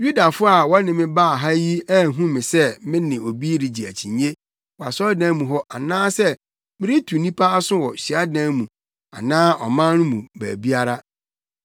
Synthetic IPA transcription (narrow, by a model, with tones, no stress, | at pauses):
ju˦da˨fʊ˦a˨wɔ˦nɪ̃˨mɪ̃˦ba˦˨ɦa˦ji˦ɛ˦˨ɦũ˦mɪ̃˨sɛ˦mɪ̃˦nɪ̃˨o˨bi˦ɾi˨d͡ʑi˨æ̰˨t͡ɕʰĩ˨ɲe˦ | wa˨sɔ˦dã˦mũ˨ɦɔ˦ʔa˨nãː˦sɛ˦ | mɪ̃˦ɾɪ˦tʰu˨nĩ˦pʰa˦a˦sʊ̃˦wɔ˨ɕi˨a˦dã˦mũ˨ | a̰˨nãː˦ʔɔ˨mã˦nʊ̃˦mũ˨bæ̰ː˨bi˦a˦ɾa˦